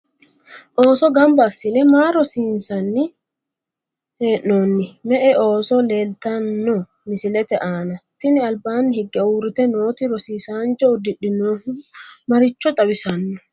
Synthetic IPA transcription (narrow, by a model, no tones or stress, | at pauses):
ʔoːsɔɡɐmbɐːsːɪnɛmaːɾɔsiːnsɐnːɪ | heːʔnoːnːɪmɛʔɛʔo̞ːsɔle̞ːlt̪ɐnːɔ | mɪsɪlɛt̪ɛʔaːnɐt̪ɪnɪɐlbaːnːɪhɪɡːɛuːɾɪt̪ɛno̞ːt̪ɪɾɔsiːsaːnd͡ʒɔɔd̪ɪɗːɪnoːnmɐɾɪt͡ʃːɔt̪ʼɐbɪsɐnːɔ̥